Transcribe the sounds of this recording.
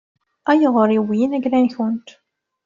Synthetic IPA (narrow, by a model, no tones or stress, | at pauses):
æjəʁoɾiwjinæɡlænçʊnt̪